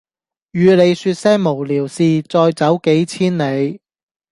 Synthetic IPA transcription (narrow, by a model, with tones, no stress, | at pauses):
jyː˨˧le˨˧jsyː˧t̚sɛː˥ŋ̚mo˨˩wliː˨˩wsiː˧t͡sɔː˧jt͡sɐ˨˥wke˨˥jt͡sʰiː˥nle˨˧j